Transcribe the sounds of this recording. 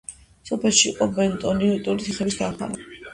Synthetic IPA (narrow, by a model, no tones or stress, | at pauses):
sɔpʰɛlˠʃiːqʼɔbɛnt̪ʼɔniut̪ʼuɾit̪ʰiχɛbisd̪ɾapʰa̰n